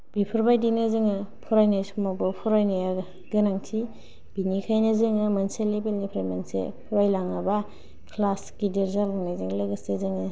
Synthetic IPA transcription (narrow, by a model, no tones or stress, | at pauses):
b̥ipʰɯɾbajdinɯzɯŋɯpʰɔɾajnasumabɯpʰuɾajnaja | ɡɯnaŋtʰi | b̥inikʰajnɐzɯŋɯmɐnselebelnipʰɾamensḛpʰuɾbajlaŋaba | kʰlaskideɾzalaŋnazɯŋlɯɡɯsezɯŋɯ